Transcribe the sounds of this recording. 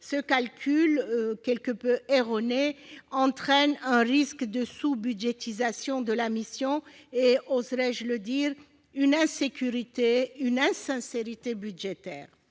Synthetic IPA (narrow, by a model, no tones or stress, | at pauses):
səkalkʲʰylkʲɛlkəpøeʁɔneɑ̃t̪χɛnɛ̃ʁiskd̪əsubyd̪ʒet̪izasjɔ̃d̪əlamisjɔ̃eozʁɛʒələd̪iʁ | ynɛ̃sekʲyʁit̪eynɛ̃sɛ̃seʁit̪ebyd̪ʒet̪ɛ̰ːʁ